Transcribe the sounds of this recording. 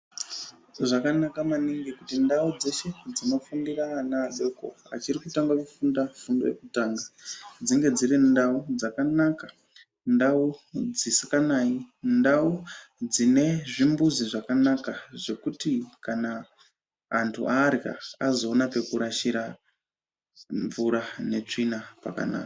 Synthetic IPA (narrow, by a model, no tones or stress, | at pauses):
ʐakanakamaniŋɡikutindaud͡ze̞ʃe̞d͡zino̞fundiranazeko̞̰a̰t͡ʃirikutaŋɡakufundafundoje̞̰kutaːŋɡad͡ziŋɡe̞d͡zirindaud͡zakanaka | ndaud͡zisikanaːindaud͡zine̞ʐimbuziʐakanakaʐe̞kutikanaː | ntʰṵʔaɾka̰azo̞ːnape̞kuɾaʃiɾa | ɱvuɾane̞t͡ʂinapa̰ka̰na̰ːka